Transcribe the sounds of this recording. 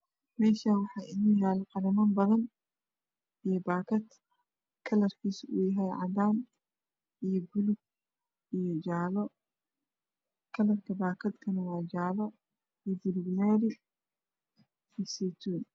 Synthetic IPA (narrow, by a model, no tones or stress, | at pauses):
mɛːʃanwɑħɑːɪnɐjaːlɛqɑɾɐmɐːnbɐðɐn | ijɔbaːkʰɐd̪ | kʰɐlɐrkʰiːsṵːjɐɦɛjʕɑ̰d̪aːn | ijɔɡʊlʊb̚ | ijɔd͡ʒaːlɔ | kʰɐlɐrkʰɐbaːkʰɐd̪kʰɐnɐwɑːd͡ʒaːlɔ | ijbʊluɡnɛːɾɪ | isɛjt̪ʰuːn